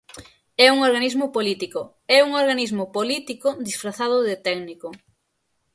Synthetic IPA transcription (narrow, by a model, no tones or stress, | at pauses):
ɛuŋoɾɣanizmʊpolit̪ikʊ | ɛuŋoɾɣanizmʊpolit̪ikʊd̪isfɾaθaðʊðɪt̪ɛɡnikʊ